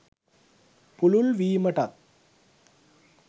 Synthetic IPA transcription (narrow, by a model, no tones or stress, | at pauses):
pʊlʊlʋiːmɐʈɐt̪̚